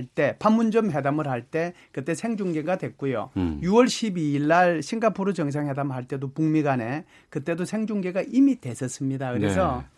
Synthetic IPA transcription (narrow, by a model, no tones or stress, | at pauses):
ɭt͈e̞pʰamːund͡ʑʌmɦe̞damɯɾɦaɭt͈e̞ | kɯt͈e̞sʰe̞ŋd͡ʑuŋɡe̞ɡadwe̞k̚k͈ujo̰juwʌɭɕʰibiːɭːaɭɕʰiŋɡapʰoɾut͡ɕʌŋs̬ʰaŋhe̞damhaɭt͈e̞dopuŋmiɡane̞ | kɯt͈e̞dosʰe̞ŋd͡ʑuŋɡe̞ɡaʔimidwe̞sʰʌs͈ɯmɲidakɯɾesʰʌ